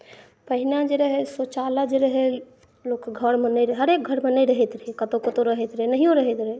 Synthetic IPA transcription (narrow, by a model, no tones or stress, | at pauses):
pəɦinad͡ʒeɾəɦesot͡ʃalad͡ʒeɾəɦe | lokːɡʱəɾmenəjɾəɦəɾek̚ɡʱəɾmənəjɾəɦɛt̪ɾəɦekət̪okət̪oɾəɦɛt̪ɾəɦenəɦijõɾəɦɛt̪ɾəe